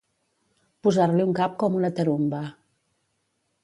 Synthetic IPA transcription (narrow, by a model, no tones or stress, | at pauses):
puzaɾliuŋkap̚kɔmunət̪əɾumbə